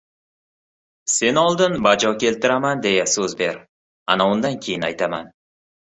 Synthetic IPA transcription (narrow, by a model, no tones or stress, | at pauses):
se̞nɒlˠd̪ɪnbad͡ʒɒkʲʰe̞lt̪ʰɪɾamand̪e̞jasɵzbe̞ɾ | a̰naʊnd̪ankʲʰe̞jɪnajt̪ʰama̰n